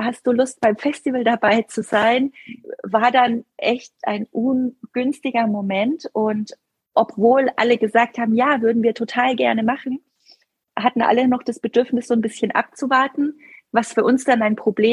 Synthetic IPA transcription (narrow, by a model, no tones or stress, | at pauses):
hast̚d̥uːlʊst̚b̥aɪmfɛstivəldabaɪt͡suzaɪnvaːɐdanʔɛçtʔa̰ɪnʔunɡ̥ʏnstɪɡɐmomɛntʔʊnt | ʔɔpv̥oːlʔa̰ləɡəzaːk̚thaːbm̩jaːvʏɐdn̩viːɐtʰotʰaːlɡɛɐnəmaχn̩ | hatn̩ʔa̰lənɔχd̥asb̥ədʏɐfnɪsz̥oːnbɪsçənʔa̰p̚t͡suvaɐtn̩vasfyːɐʔʊnsd̥anaɪnpʁ̥obleː